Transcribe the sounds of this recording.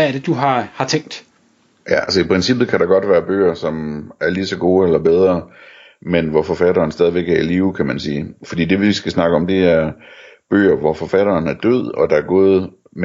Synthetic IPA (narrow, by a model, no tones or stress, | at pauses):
æɐd̥e̝d̥uɑhɑ̈t͡sʰeŋ̰d̥ | jæælsɒipʁɛnsib̥ð̩ˠkʰæɾɑ̈ɡ̥ɒ̽d̥ʋæːɐb̥ø̰ːɐsɒ̽mæɐlisɒ̽ɡ̥o̝ːelɐb̥eð̞ˠʁɐ | menʋɒfɒ̽fæɾɐːn̩sd̥ɛðˠiʋeɡ̥æɐiliːʊkʰæmænsiːfɒ̽d̥ḭːd̥e̝ʋiisɡ̥æsnɑ̈ɡ̥əɒ̽md̥e̝æɐb̥ø̰ːɐʋɒfɒ̽fæɾ̥ɐːnæɐd̥øð̞̰ˠɒ̽d̥ɑ̈æɐɡ̥o̝ːð̩ˠ | m